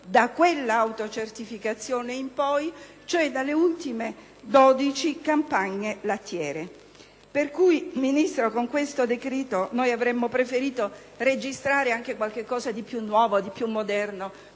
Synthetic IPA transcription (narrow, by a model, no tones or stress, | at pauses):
d̪akːwelːaawt̪ot͡ʃert̪ifikat̪sːjoːneimpɔj | t͡ʃoɛd̪alːeult̪ime | d̪ɔd̪it͡ʃikampaɲːelat̪ːjɛːɾe | perkujminist̪ɾokoŋkwest̪od̪ekɾiːt̪onojavɾemːopɾefeɾiːt̪o | red͡ʒist̪ɾaːɾeaŋk̟ekwalk̟ekːɔːzad̪ipjunːwɔːvod̪ipːjumːod̪ɛrno